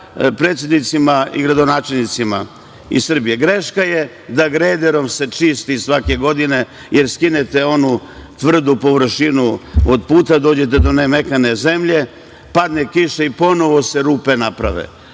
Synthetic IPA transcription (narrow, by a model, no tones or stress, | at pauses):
pɾe̞ːt̪sʲjed̪nit̪simaḭɡɾad̪o̞naːt͡ʃe̞lnit̪sima̰ | isr̩bije̞ɡɾeʃkaje | d̪aɡɾed̪eɾo̞mse̞t͡ʃist̪isʋake̞ɡo̞d̪ine̞ | jeɾskinet̪eo̞nut̪ʋr̩d̪upo̞ʋr̩ʃinuod̪puːt̪ad̪o̞ːd͡ʑe̞t̪̬ed̪o̞nemekane̞ze̞mʎe̞ | pad̪nekiʃeipo̞no̞ʋo̞se̞ɾuːpe̞napɾa̰ʋḛ